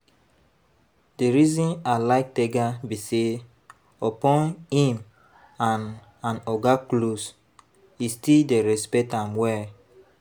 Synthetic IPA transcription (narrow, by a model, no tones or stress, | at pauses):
deɾizɔ̃nalaɪk̚tɛɡabise | opɔ̃nhĩm | ãn | ãnɔɡaklos | istildeɾɛspɛtãmwɛ